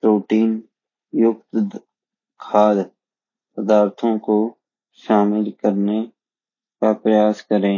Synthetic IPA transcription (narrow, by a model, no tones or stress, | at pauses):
ɾoːʈiːn | jʊkt̪ | kʰaːd̪ | səd̪aːɾt̪ʰõko | ʃaːmɪlkəɾne | kapɾəjaːskəɾẽː